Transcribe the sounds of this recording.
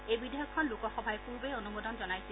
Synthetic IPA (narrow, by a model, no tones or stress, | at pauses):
ejbidejɔkʰːɔnlukɔxɔbʱajpuɹbeonumodɔnzɔnajsi